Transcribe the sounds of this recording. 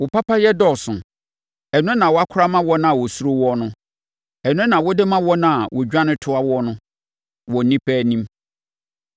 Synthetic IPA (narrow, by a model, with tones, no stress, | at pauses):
wɔ˨pa˦pʰa˦jɛ˦dɔ˦˨sʊ̃˨ | ɛ˨nʊ̃˦nã˨wɔ˨˦a˦kʰʊ˦ɾa˦mã˦wɔ˦nã˦˨a˨wɔ˨su˦ɾo˦wɔ˦nʊ̃˦ | ɛ˨nʊ̃˦ɛ˦nã˨wɔ˦dɪ˦mã˦wɔ˦nã˦a˨wʔɔ˨d͡ʑᶣã˦nɪ̃˦tʰʊ˦a˦wɔ˦nʊ̃˦ | wɔ˨nĩ˦pʰɛː˦˨nĩ˦m